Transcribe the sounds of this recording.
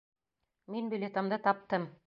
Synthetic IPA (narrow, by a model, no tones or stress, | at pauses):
minbʲɵlʲet̪ŏmd̪ɤt̪ɑp̚t̪ɤm